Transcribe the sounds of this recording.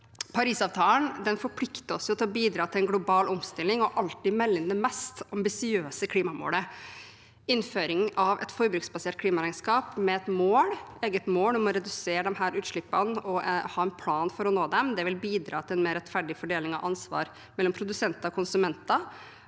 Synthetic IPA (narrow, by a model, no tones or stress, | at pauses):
pʰɑɾiːsɑʋt̪ʰɑːlənd̪ɛnfɔɾpʰlɪkt̪əɔsjʊt̪ʰɪlɔbiːd̪ɾɑːt̪ʰɪlɛnɡlʊbɑːlɔmst̪ɪlːɪŋɔʔɑlt̪ɪmɛlːɪnd̪əmɛst̪ɑmbɪsɪøːsəkʰliːmɑmo̰ːlə | ɪnføːɾɪŋʔɑʋʔɛ̰t̪fɔɾbɾʉksbɑseːʈ̪̚kʰliːmɑɾæɪnskɑːpmɛɛt̪moːleːɡət̪moːlnʊmɔɾɛd̪ʉseːɾəd̪ɛmhæːɾʉːt̪ʂɭɪpːɑnɔhɑːɛnpʰlɑːnfɔɾɔnoːd̪ɛmd̪ɛʋɪlbiːd̪ɾɑ̰ːt̪ʰɪlɛnmeːɾɛt̪fæɖɪfɔɖeːlɪŋɑʋʔɑnsʋɑ̰ːɾ | mɛlːɔmpʰɾʊd̪ʉsɛnt̪ɑɔkʰʊnsʉmɛnt̪ɑ